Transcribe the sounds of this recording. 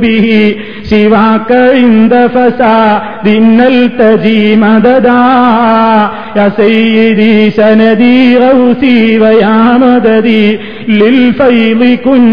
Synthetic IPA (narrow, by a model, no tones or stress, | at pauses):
biɦi | ʃiʋaːkɐɻind̪ɐfɐsaː | d̪inːɐlt̪ɐd͡ʒiːmɐd̪ɐd̪aːɦ | jɐsɐjd̪isɐnɐd̪iɾɐwsiʋɐjaːmɐd̪ɐd̪i | lilfɐjlikun